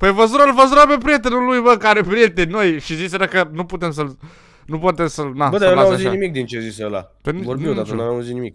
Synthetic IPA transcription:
pevəzuɾəlvəzuɾəpep̬ɾije̞t̪enulujbəkaɾepɾije̞t̪enʲno̞jʃiziseɾəkənuput̪ems̬əl | nupat̪emsəlnabəd̪aenlaauzitaimik̚d̪int͡ʃeziseəla̰d̪ənvoɾb̪iwd̪akənamvjamuzit̪nimik

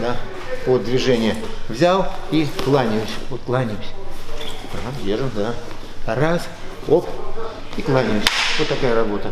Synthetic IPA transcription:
d̪a | pod̪d̪vʲɪʐɛnʲɪjəvzʲalˠiklˠanʲɪjʊsʲvot̪klˠanʲɪwsʲ | navʲeʐəmd̪a | ras | opiklˠanʲɪʊsʲvot̪ːɐkajərɐbo̞t̪ə

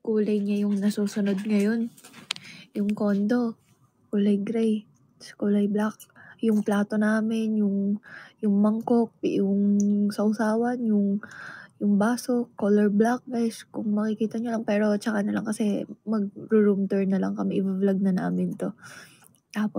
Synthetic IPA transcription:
kuːlɐjɲajʊŋnɐsuːsʊno̞d̪̚ŋɐjo̞n | jʊŋko̞nd̪o̞ | kuːlɐjɡɾɛj | skuːlɐjblak̚jʊŋplaːt̪o̞naːmɪnjʊŋjʊŋmɐŋko̞k̚jʊŋsɐʔʊsaːwɐnjʊŋjʊŋbaːso̞kːoːlɛɹblak̚bɛskʊŋmɐkɪkiːt̪ɐɲolɐŋpɛːɾo̞t͡ʃɐkanɐlaŋkɐsɛmɐɡ̚ɾʊɾumt̪ɛɹnɐlɐŋkɐmɛʔɪbavlɐɡ̚nɐna̰ːmɪnt̪o̞ | t̪aːpo

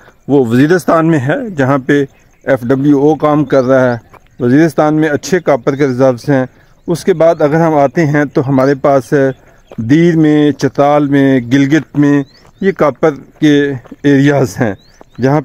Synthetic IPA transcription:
ʋoʋɐziːɾɪst̪aːnmẽɦɛːd͡ʒɐɦãpe | ɛfɖɐbljuoːkaːmkɐɾːaɦɛː | ʋɐziːɾɪst̪aːnmẽɐtːʃʰekaːpəɾk̬eɾɪzəɾbsɦɛ̃ː | ʊskebaːd̪ɐɡəɾɦɐmaːt̪eɦɛ̃t̪oɦɐmaːɾepaːsɦɛ | d̪iːɾmẽt͡ʃɐt̪aːlmẽɡɪlɡɪt̪mẽ | jekaːpəɾkeeːɾijaːzɦɛ̃ː | d͡ʒɐɦã

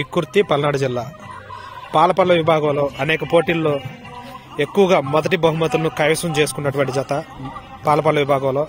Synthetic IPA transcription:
ikːuɾt̪ːipɐlɐnaːɽɐd͡ʒilːaː | paːlɐpɐːɭlɐʋibʱaːɡɐlo̞ːʔɐnɛːkɐpoːʈiːlːo̞ː | e̞kːuʋɐɡaːmɔd̪ɐʈibɐɦumɐt̪̬ulɐnukaːjʋɐsɐmt͡ʃe̞ːs̬u̥kunːɐʈuʋɐɳʈid͡ʒɐt̪ɐ | paːlɐpɐːlɐʋibʱaːɡɐloː

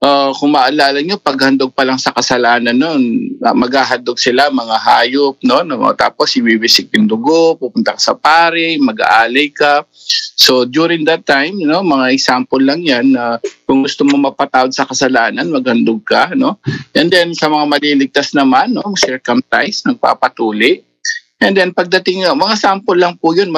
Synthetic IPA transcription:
ʔakʊŋmɐʔalaːlɐɲo̞pɐɡ̚hɐnd̪oɡ̚pɐlaŋsɐkɐsɐlaːnɐnːonmɐɡhaːɦɐnd̪oɡ̚sɪlamɐŋaɦaːjop̚no̞nɐm̰t̪a̰ːposɪwiwisɪk̪̚ɪnd̪ʊɡopupʊnt̪ɐkɐ̥sɐ̰paːɾɪmɐɡa̰ʔaːlɐjka | so̞d̪uɾɪŋd̪ɐt̪ːajmno̞mɐŋaɛksampolːɐŋjanːɐkʊŋɡʊst̪omomɐɡ̚pɐt̪aːwɐɡsɐkɐsɐlaːnɐnmɐɡ̚hɐnd̪oɡ̚kɐno̞ʔɛnd̪ɛnsɐmɐŋamɐliːlɪɡ̚t̪asnɐmanːo̞sɛɹkɐmt̪ajsnɐɡ̚pa̰ːpɐt̪uːlɪʔ | ʔɛnd̪ɛnpɐɡ̚d̪ɐt̪ɪŋɐmɐŋasampolːɐŋpʊjonmɐ

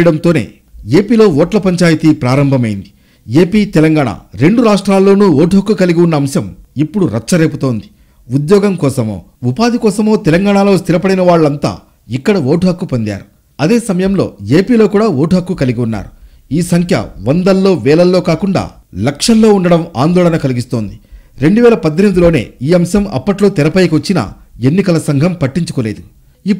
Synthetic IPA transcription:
ɽɐnt̪oːne̞̰ː | e̞ːpiːlo̞ːʋɔːʈlɐpɐɲt͡ʃaːjɐt̪ipɾaːɾɐmbʱɐmɐjind̪i̥ | e̞ːpiːt̪ɛlɐŋɡaːɳa̰ːɾe̞ɳɖuɾaːʂʈɾaːlːo̞ːnuːoːʈɦɐkːukɐliɡiunːɐːmʃɐmipːuɽuɾɐt͡ʃːɐɾe̞ːput̪o̞ːnd̪i̥ | ud̪jɔːɡɐmkɔːsɐmo̰ː | upaːd̪ikɔːsɐmo̞ːt̪ɛlɐŋɡaːɳaːlo̞ːst̪iɾɐpɐɽinɐʋaːɭːɐnt̪a̰ː | ikːɐɽɐʋoːʈʰɦɐkːupond̪ja̰ːɾu | ɐd̪e̞ːsɐmɐjɐmlo̞̰ːeːpiːlo̞ːkuːɽaːʋoːʈuɦɐkːukɐliɡiunːa̰ːɾu | iːsɐŋkʰjɐ̰ʋɐnd̪ɐlːo̞ːʋɛːlɐlːo̞ːkaːkuɳɖa̰ː | lɐkʂɐlːo̞ːuɳɖɐɽɐma̰ːnd̪ɔːlɐnɐkɐliɡist̪o̞ːnd̪iɾe̞ɳɖuʋɛːlɐpɐd̪ʱːemid̪ulo̞ːne̞̰ːiːɐmʃɐmɐ̰pːɐʈlo̞ːt̪ɛɾɐpɐjkot͡ʃːinɐ̰ | enːikɐlɐsɐŋɡʱɐmpɐʈːiɲt͡ʃu̥koːle̞ːd̪u | ipː

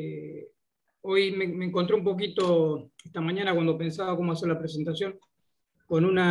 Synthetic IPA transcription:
o̞jmemeːŋkont̪ɾeumpo̞k̬it̪o̞est̪amãɲãnakwand̪o̞pe̞nsaβako̞moas̬eɾlapɾes̬e̞nt̪asjo̞ŋ | ko̞nuna

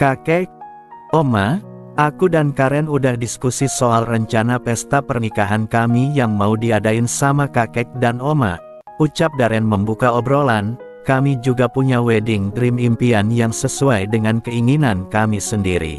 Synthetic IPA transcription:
kakɛk̚ | oma | ʔakudankaɾɛnudahdiskusisoalrəɲt͡ʃanapɛst̪apərnikaɦankamijaŋmaudiadaɪnsamakakɛk̚danoma̰ | ut͡ʃap̚daɾɛnməmbukaɔbɾolan | kamid͡ʒuɡapuɲawɛdɪŋdɾimimpianjaŋsəsuajdəŋankəiŋinankamisəndiɾḭ

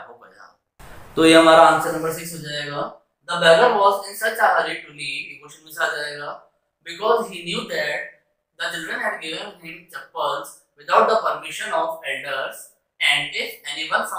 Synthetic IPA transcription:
akobəd͡ʒa̰ | t̪ojeɦɐmaːɾaə̃nsənɐ̃mbəɾs̬iksɦod͡ʒaeɡaː | d̪əbɛɡəɾʋɔːzɪ̃nsət͡ʃaʔəɾiʈuliɪmoːʃə̃nusad͡ʒaeɡa | bɪkɔːzɦinjuːd̪æʈ̚ | d̪ət͡ʃɪlɖɾə̃nɦɛɖ̚ɡɪʋə̃nɦɪ̃mt͡ʃɛpəɾz | ʋɪt̪ʰaʊʈ̚d̪əpəɾmɪʃə̃nɔfɛlɖəɾz | ɛ̃ɳɖɪfɛniʋɐ̃nsã

